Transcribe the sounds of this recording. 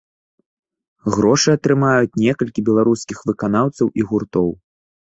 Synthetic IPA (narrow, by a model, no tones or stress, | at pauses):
ɣɾɔʂɨɐt̪ɾɨmajut͡sʲnʲɛkɐlʲkʲibʲɛlˠaɾuskʲixvɨkanawt̪sɐwʔiɣurt̪ɔw